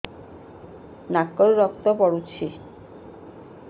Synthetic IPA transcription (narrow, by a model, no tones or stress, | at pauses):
nakːoɾːɔkt̪ɔpɔɽut͡ɕʰi